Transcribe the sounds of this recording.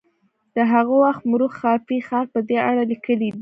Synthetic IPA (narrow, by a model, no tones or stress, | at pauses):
d̪̥əɦaɣowaxt̪mʊɾuxːɑfixɑɾ̚pəd̪eaɽalikəlid̪i